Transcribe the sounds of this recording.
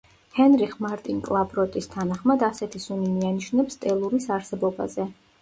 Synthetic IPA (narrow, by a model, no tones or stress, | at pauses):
hɛnɾiχmaɾt̪ʼinkʼlˠabɾɔt̪ʼist̪ʰanaχmad̪asɛt̪ʰisunimianiʃnɛpst̪ʼɛlˠuɾisaɾsɛbɔba̰zɛ